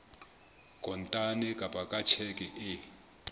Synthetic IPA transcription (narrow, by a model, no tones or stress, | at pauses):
kʼɔntʼanɛkʼabʱʼakʼat͡ʃʰɛkʼɛʔɪ